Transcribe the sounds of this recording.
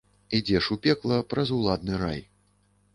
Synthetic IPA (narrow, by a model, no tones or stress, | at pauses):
id͡zʲɛʂupʲɛklˠɐpɾɐzulˠad̪nɨɾa̰j